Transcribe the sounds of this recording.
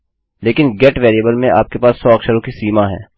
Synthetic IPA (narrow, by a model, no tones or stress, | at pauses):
leːkɪnɡɛːʈʋeːɾiəbəlmẽʔa̰ːp̚kepaːsːɔːɐkʃɐɾõkisiːmaɦɛ̰̃ː